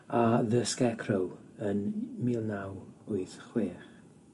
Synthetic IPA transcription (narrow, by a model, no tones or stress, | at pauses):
aðəskɛkʰrowənmiːlˠnawʊɨθχweːχ